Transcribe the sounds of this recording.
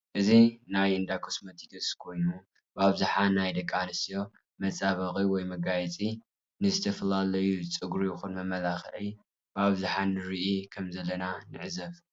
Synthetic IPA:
ʔɨzinajɨnd̪akʰosmɐt̪ʰid̪ʰɐskʰo̞jnu | baβzuħanajd̪ɐkʼːanɨsijo̞ | mɐt͡sʼaβɐkʼiwɔjmɐɡajɛt͡sʼi | nɨzɨt̪ʰɐfɐlalɐjut͡sʼɨɡɾujɪxunmɐmɐlaxʕi | baβzuħanɨɾiʔikʰɐmzɐlːɐnanɨ̰ʕzɐf

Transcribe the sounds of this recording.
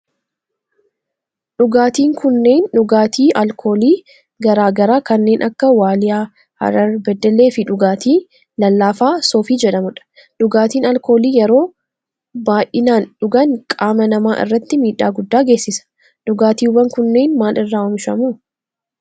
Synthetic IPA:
ᶑʊɡaːt̪iːŋkʊnːe̞ːnᶑʊɡaːt̪iːʔɐlkʰo̞ːliː | ɡɐɾaːɡɐɾaːkɐnːe̞ːnʔɐkːɐwaːlɪjaː | hɐ̰ɾɐɾbɛd̪ːɛle̞ːfɪᶑʊɡaːt̪ʰiː | lɐlːaːfaːsoːfiːd͡ʒɛᶑɐmʊᶑɐ̥ | ᶑʊɡaːt̪iːnɐlko̞ːliːjɛɾo̞ː | baːʔɪnaːnᶑʊɡɐŋkʼaːmɐnɐmaːʔɪ̰rːɐt̪ːɪmiːᶑa̰ːɡʊd̪ːaːɡe̞ːsːɪsɐ̥ | ᶑʊɡaːt̪iːʊbɐŋkʊnːe̞ːnmaːlɪrːaːʊmɪʃɐmuː

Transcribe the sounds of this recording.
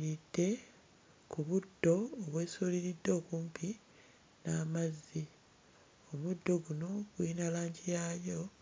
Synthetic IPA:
ɾid̥ːe̞ | kuβudːo̞ːβwe̞ːsoːliɾidːo̞ːkuːmpʰi | naːmazːi | omudːo̞ɡuno̞ɡ̥winalaːɲɟijaːjo̞

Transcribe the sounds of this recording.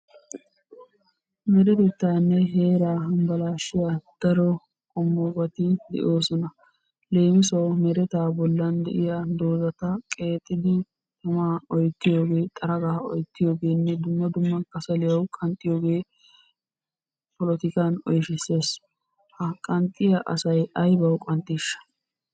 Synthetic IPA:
mɛɾɛt̪ɛt̪ːaːnːɛɦe̞ːɾaːɦɐmbɐlaːʃɪjad̪̥ɐɾɔ | kʼɔmːɔɡɐt̪ɪd̪ɛ̰ʔo̞ːsɔnɐ | le̞ːmɪsɐwmɛɾɛt̪aːbɔlːɐnd̪ɛ̰ʔɪjad̪o̞ːzɐt̪ɐkʼe̞ːt̪ʼːɪd̪ɪ | t̪ɐmaːɔjt̪ːɪjo̞ːɡe̞ːt̪ʼɐɾɐɡaːɔ̰jt̪ːɪjo̞ːɡe̞ːnːɛd̪ʊmːɐd̪ʊmːɐnkʼːɐsɐlɪjɐwkʼɐnt̪ʼːɪjo̞ːɡe̞ː | pɔlɔt̪ɪkanɔ̰jʃɪsːe̞ːs | hɐkʼɐnt̪ʼːɪjɐʔɐ̰sɐjɐjbɐwkʼɐnt̪ʼːiːʃːɐ̥

